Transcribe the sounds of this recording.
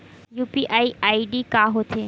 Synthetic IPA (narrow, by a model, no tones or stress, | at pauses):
juːpiʔaːiaːiɖikaːɦot̪ʰeː